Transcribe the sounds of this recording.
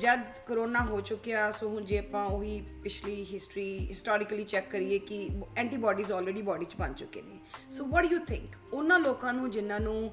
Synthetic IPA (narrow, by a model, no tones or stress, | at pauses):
d͡ʒəd̪ | kəɾoːnaːɦoːt͡ʃʊkːejaːsoːɦʊ̃nd͡ʒeːpãːʊɦiːpɪt͡ʃʰliːɦɪsʈɾiːɦɪsʈɔːɾɪkəliːt͡ʃɛkːəɾiːeːkɪɛ̃ːɳʈiːbɔːɖiːzɔːlɾeːɖiːbɔːɖiːt͡ʃbə̰nt͡ʃʊkːḛːnḛːsoːʋɔːʈɖjuːt̪ʰɪ̰̃ŋk | ʊnãːloːkãːnũːd͡ʒɪnːãːnũː